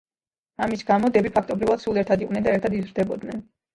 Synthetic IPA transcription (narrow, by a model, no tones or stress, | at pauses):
amisɡamɔd̪ɛbipʰakʰt̪ʼɔbɾivad̪̥sulˠɛɾt̪ʰad̪iqʼnɛnd̪aɛɾt̪ʰad̪izɾd̪ɛbɔd̪nɛn